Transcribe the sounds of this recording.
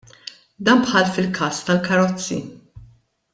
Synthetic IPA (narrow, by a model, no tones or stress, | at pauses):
d̪ɐːnpħɐlfɪlkʰɐːst̪ɐlkɐɾɔt͡sːḭ